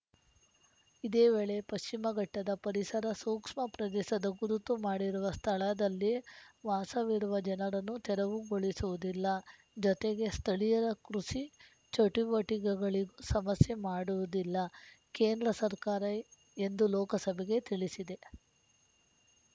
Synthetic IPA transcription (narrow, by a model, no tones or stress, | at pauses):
id̪e̞ːʋe̞ːɭe̞pɐʃt͡ʃimɐɡɐʈːɐd̪ɐpɐɾisɐɾɐsuːkʂmɐpɾɐd̪ɛːʃɐd̪ɐɡuɾut̪umaːɽiɾuʋɐst̪ʰɐɭɐd̪ɐlːiʋaːsɐʋiɾuʋɐd͡ʒɛnɐɾɐnːut̪ɛɾɐʋuɡoɭisuʋud̪ilːɐ | d͡ʒɔt̪e̞ɡe̞st̪ʰɐɭijɐɾɐkɾuʃi | t͡ʃɐʈiʋɐʈiɡɐɡɐɭiɡusɐmɐsje̞maːɽuʋud̪ilːɐ | ke̞ːnd̪ɾɐsɐɾkaːɾɐ | e̞nd̪ulɔːkɐsɐbʱeɡe̞t̪iɭisid̪e̞